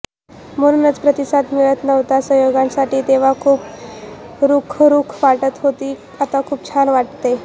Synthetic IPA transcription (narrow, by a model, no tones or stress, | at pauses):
məɾunət͡spɾət̪isad̪miɭət̪nəʋt̪asəɦjoɡãnsaʈiːt̪eʋ̤akʰuːp | ɾukʰɾukʰʋaʈət̪ɦot̪iː | at̪akʰuːp̚t͡ɕʰanʋaʈt̪e